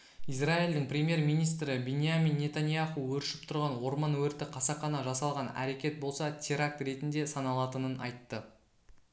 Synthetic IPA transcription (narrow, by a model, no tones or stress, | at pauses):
izraild̪ɪɴpɾʲemje̞rmijnijst̪ɾɪbenʲijamʲinːe̞t̪anjaχuwɵɾʃɪ̥p̚t̪ʰʊɾʁɑnwo̞ɾmɑnwɵɾt̪ɪqʰɑsɑqɑnɑʒɑsɑlˠʁɑnæ̰ɾe̞kʲe̞t̪̚bo̞lˠsɑt̪ʲʰeɾak̚t̪ɾe̞t̪ɪnd̪e̞sɑnɑlˠɑt̪ənənʔɑ̰jt̪ːə